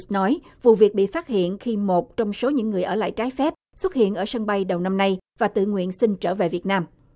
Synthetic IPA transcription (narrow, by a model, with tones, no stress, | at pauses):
nɔ˨˦jvu˨˩vi˨˩k̚ɓḭ˧˨faː˦˥t̚hḭ˧˨ənxi˧mo˨˩t̚t͡ɕɔ˧wŋ͡mso˨˦ɲɨ̰˧˥ŋːɨ˨˩əjʔəː˧˩la̰ː˧˨jt͡ɕaː˨˦jfɛ˦˥p̚swə˦˥t̚hḭ˧˨ənʔəː˧˩sə˧ŋɓa˧jɗə˨˩wna˧mna˧jvaː˨˩t̪ɨ̰˧˨ŋwḭ˧˨ənsï˧ŋt͡ɕəː˧˩ve˨˩vi˨˩ət̚naː˧m